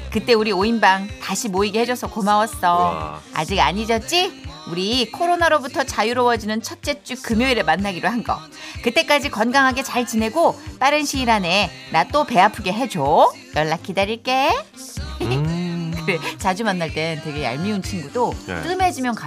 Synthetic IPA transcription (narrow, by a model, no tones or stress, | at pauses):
kɯt͈e̞uɾioinbaŋtaɕʰimoiɡehe̞d͡ʑʌsʰʌkomawʌs͈ʌa̰d͡ʑiɡa̰ɲid͡ʑʌt͡ɕ͈iuɾikʰoɾonaɾobutʰʌt͡ɕajuɾowʌd͡ʑinɯnt͡ɕʰʌt̚t͡ɕ͈e̞t͡ɕ͈ukɯmjoiɾɯɭmanːaɡiɾoɦanɡʌ̰ | kɯt͈e̞k͈ad͡ʑikʌnɡaŋɦaɡe̞t͡ɕaɭt͡ɕine̞ɡop͈aɾɯnɕʰiːɾane̞ | nat͈ope̞apʰɯɡe̞ɦe̞d͡ʑo | jʌɭːakʰidaɾiɭk͈e̞ | kɯet͡ɕad͡ʑumanːaɭt͈e̞ntwe̞ɡe̞a̰ɭmiunt͡ɕʰinɡudot͈ɯme̞d͡ʑimjʌnka